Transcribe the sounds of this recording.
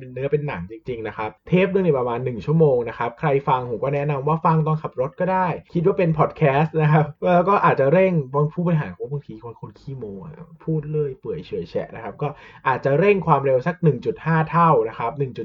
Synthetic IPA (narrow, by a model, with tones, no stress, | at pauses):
pe˧nːɯ˦˥ɐpe˧nːa˨˩˦ŋt͡ɕi˧ŋt͡ɕi˧ŋna˦˥kʰa˦˥p̚t̪ʰeː˦˥p̚nɯ˥˩ŋni˧˥˩pɾa˧maː˧nːɯ˨˩ŋt͡ɕʰu˥˩əmoː˧ŋna˦˥kʰa˦˥p̚kʰɾa˧jfa˧ŋhu˨˩˦kɔː˥˩nɛ˦˥na˧mwaː˥˩fa˧ŋt̪ɔ˥˧˩ŋkʰa˨˩p̚ɾo˦˥t̪̚kɔː˥˩daː˥˩jkʰi˦˥t̪̚waː˥˩pe˧npʰɔː˨˩t̪̚kʰɛː˦˥st̪̚na˦˥kʰa˦˥p̚ʔɤː˧kɔː˥˩ʔaː˨˩t̪̚t͡ɕa˨˩ɾe˥˩ŋbaː˧ŋpʰuː˥˩bɔː˧jɦaː˩˦kːbaː˧ŋt̪ʰiː˧kʰo˧nkʰo˧nkʰiː˥˩moː˧ŋa̰˨˩pʰuː˥˩t̪̚lɤː˥˩jpɯ˨˩əjt͡ɕʰɯ˨˩˦jt͡ɕʰɛ̰˦˩ʔna˦˥kʰa˦˥p̚kɔː˥˩ʔaː˨˩t̪̚t͡ɕa˨˩ɾe˥˩ŋkʰwaː˧mɾe˧wsa˧˦k̚nɯ˨˩ŋt͡ɕu˨˩t̪̚haː˥˩t̪ʰa˥˩wna˦˥kʰa˦˥p̚nɯ˨˩ŋt͡ɕu˨˩t̪̚